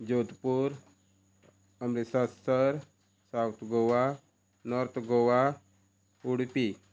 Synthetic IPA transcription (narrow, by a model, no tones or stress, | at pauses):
d͡ʑod̪puɾ | əmɾesasəɾ | sawt̪ʰɡoʋa | nɔɾt̪ʰɡoʋa | uɽpi